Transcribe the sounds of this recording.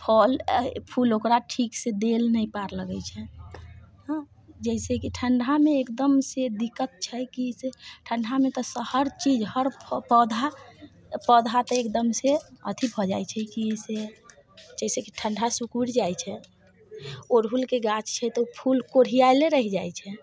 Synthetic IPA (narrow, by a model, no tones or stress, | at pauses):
pʰɔlpʰulokɾaʈʰiksed̪elnəipaɾləɡət͡ʃʰɛ | ɦ | d͡ʒɛsekiʈʰəɳɖʱameekd̪əmsed̪ikːət̪̚t͡ʃʰɛkiseʈʰəɳɖʱamet̪ɔsəhəɾt͡ʃid͡ʒhəɾpəd̪ʱa | pəd̪ʱat̪ɔekd̪əmseət̪ʰibʱɔd͡ʒajt͡ʃʰɛkise | d͡ʒɛsekiʈʰəɳɖʱasukuɽd͡ʒajt͡ʃʰɛ | oɾɦulkeɡat͡ʃt͡ʃʰɛt̪ɔupʰulkoɽ̤ijajleɾəɦid͡ʒajt͡ʃʰɛ